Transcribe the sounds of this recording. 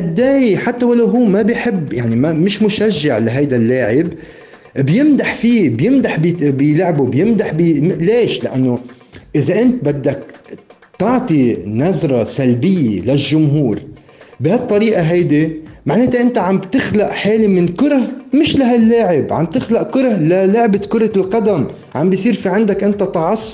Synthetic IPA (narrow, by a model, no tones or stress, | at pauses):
ʔad̪ːaːjħat̪ːawalːaɦuːmabɪjħɪbːjaʕnimamɪʃmʊʃaʒːaʕlaɦajd̪alːaːʕɪb | bjɪmd̪aħfiːbjɪmd̪aħbbɪjlʕbubjɪmd̪aħbileːʃlaʔanːo | ʔɪzaʔɪnt̪̚bad̪ːak̚ | t̪ɑʕt̪ˤinazɾˤɑsalbɪjːḛlaʒːʊmɦuːɾ | bɪhat̪ˤːɑɾiːʔaɦajd̪imaʕneːt̪aʔɪnt̪aʕambt̪ɪxlaʔħeːlimɪnkʊɾɑhmɪʃlaɦalːaːʕɪbʕa̰mb̚t̪ɪxlaʔkʊɾˤɑhlalʊʕbakʊɾˤɑlqɑd̪am | ʕambjsˤiːɾfiʕɪnd̪akʔɪnt̪at̪ɑʕɑsˤː